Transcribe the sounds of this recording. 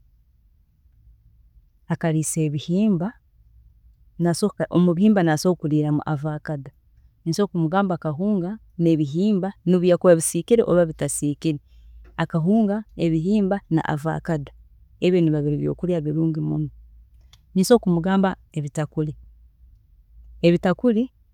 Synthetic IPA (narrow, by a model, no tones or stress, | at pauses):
akaɾiːse̞ːβihiːmba | nasoomuβihiːmbanasokuliːɾamṵʔavaːkada | niso̞ːkumuɡaːmbaːkaɦuːŋɡa | ne̞βiɦiːmbaniβujakuβaβisiːkiɾḛʔoβaβitasiːkiɾe | akaɦuːŋɡaeβiɦiːmbana̰ʔa̰va̰kada | eβjoniβaβiɾiβjo̰ːkuɾjaβiɾuːŋɡimṵno | niːso̞kumuɡaːmba | eβitakuli | eβitakuli